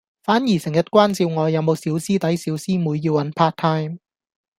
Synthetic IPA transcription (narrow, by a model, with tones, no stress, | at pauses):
faː˨˥njiː˨˩sɪ˨˩ŋjɐ˥t̚kʷaː˥nt͡siː˧wŋɔː˨˧jɐ˨˧wmo˨˧wsiː˨˥wsiː˥t̪ɐ˨˥jsiː˨˥wsiː˥muː˨˧jːi˧wɐ˨˥npʰaː˥t̪ʰaː˥jm